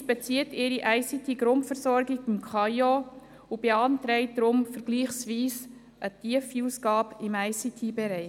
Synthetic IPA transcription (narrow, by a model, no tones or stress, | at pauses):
bɛt͡siətɪɾiʔæɪsitʰiɡɾʊntfəɾsɔɾɡɪɡɪmkʰχɑjo | ubeɑntɾɛɪt̚dɾʊmfəɾɡ̥liːχsʋiːs | ʔətiəfiuːsɡɑːbɪmæɪsitʰibɛɾɛɪ